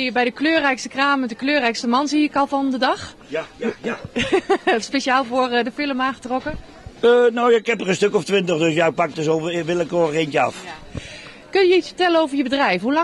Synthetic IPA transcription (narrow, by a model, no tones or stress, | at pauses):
əbɛjdəkløːrɛjkstəkraːmədəkløːrɛjkstəmɑnziɪkɑlˠfɔndədɑx | speʃaːlˠvoːrdəfɪlˠəmaːxətrɔkə | ənowɪkɦɛpərə̃nstøkɔftʋɪntəχdɵsjapɑk̚dəsoʋɪləkoːəχejnjəɑ̰f | kɵnjəitsfə̥ɹtɛlənowvərjəbədrɛjfhulɑ